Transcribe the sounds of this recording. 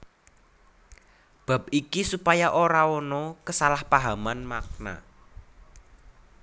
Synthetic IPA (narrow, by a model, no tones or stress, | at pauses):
b̥a̤p̚ikisupajaʔoɾaɔnɔkəsalahpaɦamanmak̚na̰